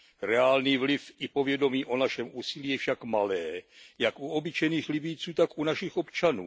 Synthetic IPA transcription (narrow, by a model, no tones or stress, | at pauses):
ɾɛaːlniːvlɪfɪpo̞vjɛdo̞miːʔo̞naʃɛmʔuːsiliːjɛfʃakmalɛːjakʔuobɪt͡ʃɛjniːxlɪbɪjt͡suːt̪akʔunaʃɪxo̞pt͡ʃanṵː